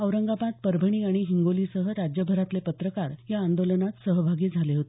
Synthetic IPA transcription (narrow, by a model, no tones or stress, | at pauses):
əʋɾəŋɡapat̪̚pəɾbʱəɽ̃iːaɽ̃iɦiŋɡoliːsəɦəɾad͡ʑjəbʱəɾat̪lepət̪ɾəkaɾjaːnd̪olənat̪səɦəbʱaɡiːd͡zʱaleɦot̪e